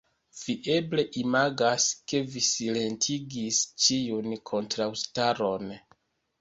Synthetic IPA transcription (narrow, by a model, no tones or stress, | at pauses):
v̥iʔe̞ble̞ʔimaɡaske̞visile̞ntʰiɡist͡ʃijunkʰo̞ntɾawstaɾo̞n